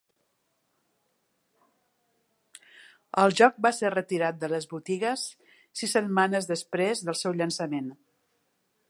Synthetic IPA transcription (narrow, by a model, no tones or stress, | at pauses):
əlˠʒɔk̚baserət̪iɾat̪̚d̪ələzβut̪iɣəsː | isːət̪̚manəzðəspɾezðəlˠsɛwʎənsəmen